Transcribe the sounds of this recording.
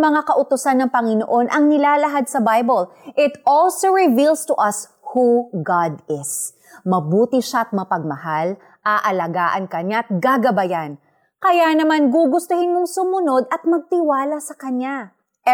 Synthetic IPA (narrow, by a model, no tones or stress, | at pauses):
mɐŋakɐʔʊt̪ʊsanːɐŋpɐŋɪno̰ʔo̞nʔɐŋnɪlaːlɐɦad̪̚sɐbajbolʔɪt̪ʔolsoɹɪvilst̪ʊʔɐs | huɡad̪ɪs | mɐbuːt̪ɪʃaɐt̪̚mɐpɐɡ̚mɐhal | ʔaːʔɐlɐɡaːʔɐnkɐɲaɐt̪̚ɡaɡɐbɐjan | kɐjanɐmanɡuːɡʊst̪ʊhɪnmoŋsʊmʊno̞d̪ʔɐt̪̚mɐɡ̚t̪ɪwaːlɐsɐkɐɲa